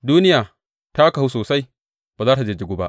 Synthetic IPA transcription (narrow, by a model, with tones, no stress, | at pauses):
duː˦nɪ˦jaː˨ | ta˦ka˨hu˦soː˨sa˦j | ba˨zaː˦ta˨d͡ʒe˦˨d͡ʒu˨ɡu˦ba̰˦ʔ